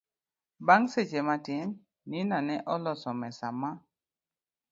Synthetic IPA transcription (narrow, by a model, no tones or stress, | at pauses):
baŋset͡ʃematɪnː | inanɛʔɔlɔsɔmɛsama